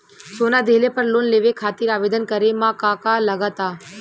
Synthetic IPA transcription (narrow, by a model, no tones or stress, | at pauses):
soːnad̪ʱeɦlepəɾloːnleːʋekʰaːt̪iːɾaːʋeːd̪ənkəɾemãkãːkaləɡət̪aː